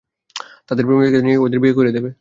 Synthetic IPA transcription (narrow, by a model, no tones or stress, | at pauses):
t̪ad̪eɾpomikeniod̪iɾbʱiɡekoɾied̪ebe